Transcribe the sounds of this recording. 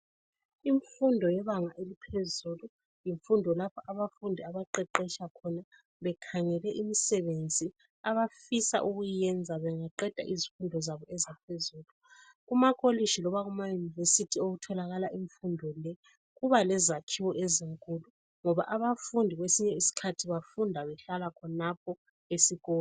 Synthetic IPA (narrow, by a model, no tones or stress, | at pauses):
iɱfundʱɔjɛβaŋaʔelipʰezulu | jiɱfundʱɔlapʰaʔaβafundʱiaβaǃɛǃɛʃakʰɔna | βɛkʰaŋɛlɛʔimisɛβend͡zʱi | aβafisa̰ʔuɣujjɛnd͡zʱaβɛŋaǃɛd̥ʱa̰ʔizifundʱɔzaβɔɛzapʰezuːlu | ɣumakʼoliʃilɔβaɣumajunivesitʰioɣutʰɔlaɣalaʔiɱfundʱɔlɛ | ɣuβalɛzakʰiwɔʔeziŋkʼulu | ŋɔβaʔaβafundʱiɣwesiɲɛisi̥kʰatʰiβafundʱaβɛɬalakʰɔnapʰɔ | esiɣɔː